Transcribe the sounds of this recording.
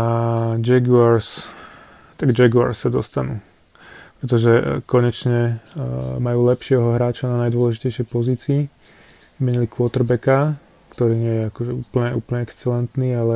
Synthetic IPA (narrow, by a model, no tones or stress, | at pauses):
ad͡ʒɛɡuaɾs | t̪aɡd͡ʒɛɡua̰ɾsːad̪ɔst̪anuː | pɾɛt̪ɔʒɛkɔɲɛt͡ʃɲɛ | majuːlɛpʃɪɛɦɔɦɾaːt͡ʃananajd̪ʊɔlɛʒicɛjʃɪɛjpɔziːt͡siː | imɛɲilikʋɔt̪ɾbɛka | kt̪ɔɾiːɲɪɛjɛakɔʒɛuːpl̩ɲɛṵːpl̩ɲɛɛkst͡sɛlɛnt̪niːalɛ